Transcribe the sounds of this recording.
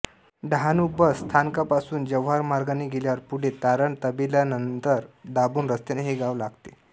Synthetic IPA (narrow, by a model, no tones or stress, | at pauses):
ɖʱanubəsːt̪ʰankapasuːnd͡ʑəʋɦaɾmaɾɡaneɡʱeljaɾpuɽ̤et̪aɾəɳt̪əbelanənt̪əɾd̪abuːnɾəst̪eneɦeɡaʋlaɡt̪e